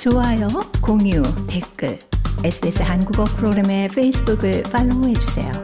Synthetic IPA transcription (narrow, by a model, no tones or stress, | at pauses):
t͡ɕoɦajʌkoŋjute̞k͈ɯ̰esʰɯbiesʰɯɦanɡuɡʌpʰɯɾoɡɾeme̞pʰeisʰɯbuɡɯɭp͈aɭːoɦe̞d͡ʑusʰe̞̰jo̰